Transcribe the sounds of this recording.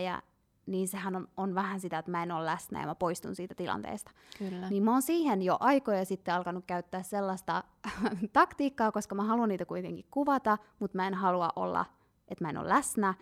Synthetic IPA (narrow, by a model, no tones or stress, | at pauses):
jæ̰ | niːnsehænoonʋæhænsit̪æet̪mæenoːllæsnæ̰jɑ̰mæpoist̪unsiːt̪æt̪ilɑ̰nt̪ḛːst̪ɑ̥kylːniːmmoːnsiːhenjoʔɑikojɑsit̪ːeɑlkɑnukkæyt̪ːæːsselːɑst̪ɑ | t̪ɑkt̪iːkːɑːkoskɑmæhɑluɑnniːt̪ækuit̪ḛŋkikkuʋɑt̪ɑmut̪mæenhɑluɑ̰ʔo̰lːɑ̰ | ʔet̪mæeno̰læsnæ